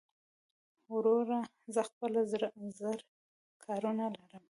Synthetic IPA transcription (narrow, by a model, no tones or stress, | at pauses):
wɾoɾa | zəxpəlazzəɾ | kʰɑɾunalaɾəm